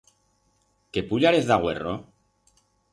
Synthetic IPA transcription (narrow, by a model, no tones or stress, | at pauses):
ke̞puʎaɾeθðaɣwe̞̰ro